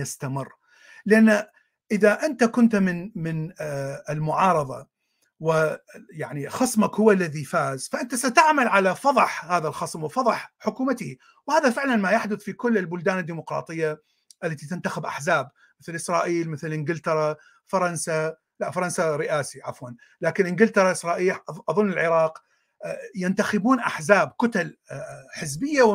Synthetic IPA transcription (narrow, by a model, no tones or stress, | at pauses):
jɪst̪amɪrː | lɪʔanː | ʔɪðaʔɪnt̪akʊnt̪mɪnmɪnɪlmʊʕɑːɾˤɑðˤɑ̰ | wɪjaʕnixɑsˤmakhʊwːalːaðifaːzfaʔɪnt̪asat̪aʕmalʕalafɑðˤħhaːðalxɑsˤmwɪfɑðˤħħʊkuːmat̪i | whaːðafɪʕlanmajaħd̪ʊθfikʊlːɪlbʊld̪aːnɪd̪ːiːmʊqɾˤɑ̰ːt̪ˤɨjːa | ʔɪlːat̪it̪ɪnt̪axɪbʔa̰ħzaːb | mɪθlʔɪsɾˤɑːʔiːlmɪθɪlʔɪnɡɪlt̪ɑɾˤɑ | fɑɾˤɑnsa | laʔfɑɾˤɑnsaɾɪʔaːsiʕafwan | laːkɪnʔɪnɡɪlt̪ɑɾˤɑʔɪsɾˤɑːʔiːlʔʔɑðˤʊnːɪlʕɪɾˤɑːq | jɪnt̪axɪbuːnʔa̰ħzaːbkʊt̪alħɪzbɪjːaw